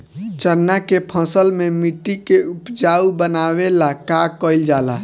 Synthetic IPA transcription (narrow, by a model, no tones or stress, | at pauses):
t͡ʃənːakepʰə̃səlmemiʈːikeupd͡ʒaubənaβelakakəild͡ʒala